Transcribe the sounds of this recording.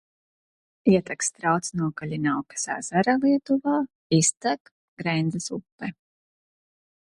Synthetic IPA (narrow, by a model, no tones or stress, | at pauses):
iɛt̪akst̪ɾawt̪snuɔkaʎʲinawkḁsa̰ːzaɾalˠiɛt̪uvaː | ist̪ak | ɡ̥ɾɛjnd̪zasupːɛ